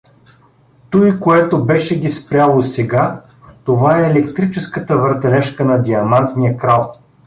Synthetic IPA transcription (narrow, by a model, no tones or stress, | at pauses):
t̪ɔjikoɛt̪obɛʃɛɡʲispɾʲalˠosɛɡa | t̪ovaɛːlɛkt̪ɾit͡ʃɛskət̪əvəɾt̪ɛlɛʃkənɐd̪ʲiɐmant̪nijəkɾalˠ